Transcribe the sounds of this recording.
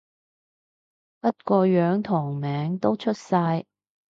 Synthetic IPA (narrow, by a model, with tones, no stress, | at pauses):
pɐ˥t̚kɔː˧jœː˨˥ŋt̪ʰɔː˨˩ŋmɛː˨˥ŋt̪o˥wt͡ʃʰɵ˥t̚saː˧j